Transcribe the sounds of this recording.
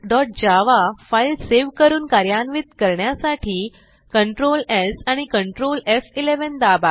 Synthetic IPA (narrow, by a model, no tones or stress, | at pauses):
ɖɔʈ̚d͡ʑaʋafailseʋkəɾuːnkaɾjanʋit̪kəɾɳjasaʈʰiː | kəɳʈɾolesaɽ̃ikəɳʈɾolefileʋənd̪aba